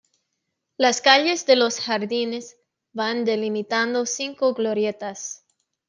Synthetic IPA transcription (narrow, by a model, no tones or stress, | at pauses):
laskaʎe̞zðelo̞sxaɾðine̞z | band̪e̞limit̪and̪o̞siŋkoɣloɾje̞t̪as